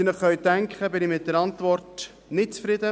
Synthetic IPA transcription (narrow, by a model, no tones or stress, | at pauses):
ɪnəχχœɥtæŋkχəbɪnɪmɪt̚dəɾɑntvɔrt | nɪtt͡sfɾɪd̪ə